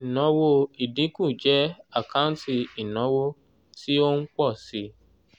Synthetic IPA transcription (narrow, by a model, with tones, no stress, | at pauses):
nɔ̃˨˦wo˧i˨dĩ˨˦kũ˦˨d͡ʒɛ˦a˦˨kã˦n˦ti˧i˨nɔ̃˨˦wo˦ | ti˦o˦n̩˦k͡pɔ˦˨si˧˦